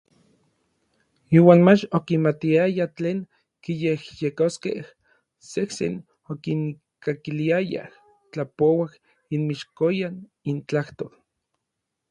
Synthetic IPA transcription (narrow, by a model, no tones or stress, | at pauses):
iːwaːnmat͡ʃokimat̪iajat͡ɬeːŋ | kijehjekoskḛh | sehsḛn | okiŋ | kakiliaja̰h | t͡ɬapowah | inmiʃkojan | int͡ɬaht̪oːl